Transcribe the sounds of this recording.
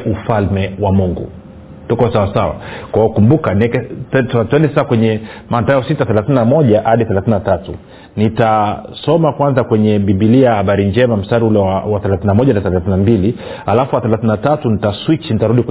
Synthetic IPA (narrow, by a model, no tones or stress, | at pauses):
ʔufalmɛwamuŋɡṵ | tukɔsawasawa̰kwaɔkumbukaniɛkɛtɛtatuɛndɛsasakwɛɲɛmantaɔsitaθɛlaθinamɔʄahaɗiθɛlaθinatatṵ | nitasɔmakwanzakwɛɲɛɓiɓilijahaɓaɾiɲd͡ʒɛmam̩staɾiulɛwawaθɛlaθinamɔʄanaθɛlaθinambili | halafuwaθɛlaθinatatunitaswit͡ʃnitaɾuɗik